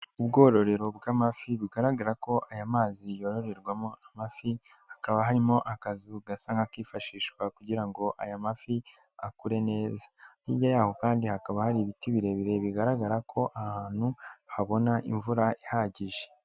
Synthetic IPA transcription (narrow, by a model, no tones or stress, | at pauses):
ubɡo̞ːɾo̞ɾe̞ɾo̞bɡamafiβiɡaɾaɡaɾako̞ʔajamaːzijo̞ɾo̞ɾe̞ɾɡwamoʔamafi | hakaβahaɾimo̞ʔakazuɡasaŋɡakiːfaʃiːʃkwakuɟiɾaŋɡo̞ʔa̰jamafi | akuɾe̞ne̞ːzḁ | ijajaːho̞kaːndihakaβahaɾiβitiβiɾe̞βiɾe̞βiɡaɾaɡaɾakʰo̞ʔahaːn̥huhaβo̞naʔḭɱvuɾaihaɟiʒe̥